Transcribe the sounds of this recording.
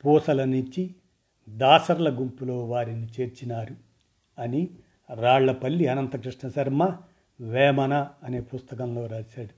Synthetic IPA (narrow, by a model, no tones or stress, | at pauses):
puːsɐlɐnuɲt͡ʃi | d̪aːsɐɾlɐɡumpulo̞ːʋaːɾinit͡ʃe̞ːɾt͡ʃinaːɾu | ɐni | ɾaːɭːɐpɐlːiɐnɐnt̪ɐkɾiʂɳɐsɐɾmɐ | ʋɛːmɐnɐːneːpust̪ɐkɐnlo̞ːɾaːʃaːɽu